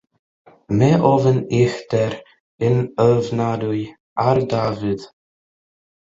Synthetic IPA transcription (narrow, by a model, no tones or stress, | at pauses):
mɛʔɔvənɪxt̪ɛɾ | ɪnœːvnaɾuj | aɾd̪aːvɪð̥